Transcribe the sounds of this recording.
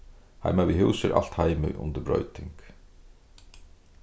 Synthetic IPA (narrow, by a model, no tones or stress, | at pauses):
ha̰jmavihuwsɪɾʔa̰l̥t̪hajmʏʔʊ̰nt̪ɪɾbɾɔ̰ʏt̪ɪŋk